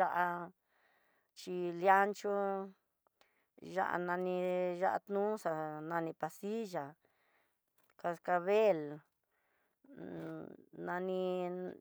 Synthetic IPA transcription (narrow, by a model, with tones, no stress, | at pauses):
a˧ʔa˧ | t͡ʃi˧lja˦nt͡ʃo˦ | ʒa̰˦ʔa̰˧nã˧nĩ˧ʒa˦ʔa˧t̪nũː˦sa˧nã˧nĩ˧pa˧si˦ʒa˨ | ka˧ska˧βe˦˨l | nã˧nĩ˧